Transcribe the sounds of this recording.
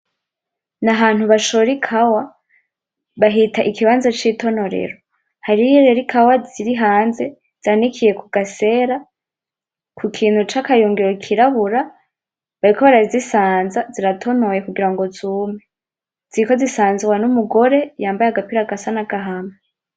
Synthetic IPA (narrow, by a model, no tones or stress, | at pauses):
naɦaːn̥huβaʃoɾikʰawa | βaɦitʰaʔikiβaːnzat͡ʃito̞no̞ɾḛɾo | haɾijiɾeɾikʰawaziɾiɦaːnze̞ | z̥anikʰije̞kuɡase̞ːɾa | kʰukʰiːn̥hut͡ʃakajuːŋɡiɾokʰiɾaβuɾa | βaɾikoβaɾaizisaːnzaziɾatʰo̞no̞je̞kuɡiɾaŋɡo̞zuːmŋe | z̥iiko̞zisaːnziwanumuɡo̞ɾe̞jaːmbajaɡapiɾaɡasanaɡaɦama